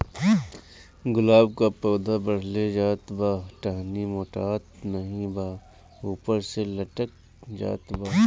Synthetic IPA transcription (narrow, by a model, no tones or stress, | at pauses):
ɡʊlaːbkapɔːd̪ʱabɐɽ̤led͡ʒaːt̪baːʈaːɦnimoːʈaːt̪̚nɐɦĩbaː | uːpəɾselɐʈək̚ | d͡ʒa̰ːt̪baː